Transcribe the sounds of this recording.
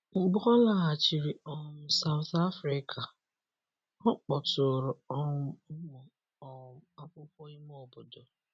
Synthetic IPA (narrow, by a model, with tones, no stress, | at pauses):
ɡ͡bʊ˦ɔ˦la˦ɦa˨t͡ʃi˨ɾi˨ɔ˦˨m̩˦sa˨ʊ˨θa˦fɾi˦kʰa˨ | ɔ˦k͡pɔ˨to˨ɾo˨ɔ˦m˨ | a˦kʷʊ˦kʷɔ˦i˦m˦ɔ˨bo˨do˨